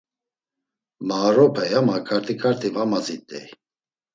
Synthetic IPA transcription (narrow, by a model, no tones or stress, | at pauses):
maɾɔpʰɛjamakʰʼaɾt̪ʰikʰaɾt̪ʰivamazit̪ʼɛ̰j